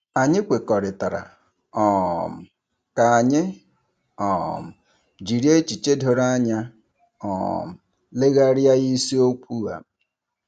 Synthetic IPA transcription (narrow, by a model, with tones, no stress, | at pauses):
a˨ɲɪ˦kʷe˨kɔ˨ɾɪ˨ta˨ɾa̰˨ | ɔ˨m̩˨ | ka˨a˨ɲɪ˦ | ɔ˨m̩˨ | d͡ʒi˨ɾje˦t͡ʃi˨t͡ʃe˦dʱo˨ɾa˦ɲa˦ | ɔ̰˨m̩˨ | le˦ɣa˦ɾja˦ɣi˦si˦o˦kʷu˦a̰˨